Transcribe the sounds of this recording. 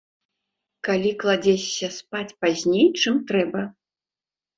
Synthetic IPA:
kalʲiklˠad͡zʲet͡sʲːɐspat͡sʲpazʲnʲejt͡ʂɨmt̪ɾɛbɐ

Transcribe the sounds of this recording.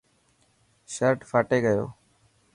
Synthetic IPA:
ʃəɾʈfʰaːʈeːɡəjo̰ː

